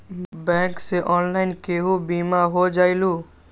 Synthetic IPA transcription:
bɛ̃ːŋkseʔɔːnlaːɪnkeɦubiːmaɦod͡ʒaːiluː

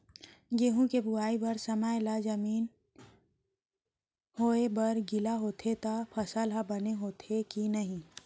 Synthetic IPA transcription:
ɡeːɦũkebʊaːibɐɾsɐmajlad͡ʒɐmiːn | hoːebɐɾɡɪlaɦoːt̪ʰet̪apʰɐsalɦabɐneɦoːt̪ʰekinɐɦĩ

